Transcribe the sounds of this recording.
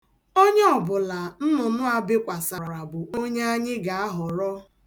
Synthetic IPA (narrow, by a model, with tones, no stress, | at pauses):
o˦ɲe˦ɔ˨bʊ˨la˨n̩˦nʊ˨nʊ˦a˨bɪ˦kʷa˨sa˨ɾa˨ɾa˨bʊ˨o˦ɲe˦a˦ɲɪ˦ɡa˨a˦ɦɔ˨ɾɔ˦